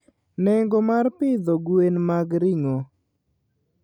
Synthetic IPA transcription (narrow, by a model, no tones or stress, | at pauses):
nɛŋɡɔmarpɪd̪oɡwenmaɡɾɪŋo